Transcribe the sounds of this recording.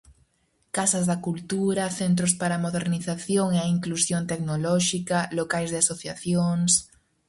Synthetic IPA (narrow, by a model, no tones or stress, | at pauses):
kasɐzðɐkult̪uɾɐθent̪ɾʊspaɾamoðeɾniθaθjoŋeaiŋklusjont̪ɛknolɔʃikɐlokajzðeasoθjaθjoŋs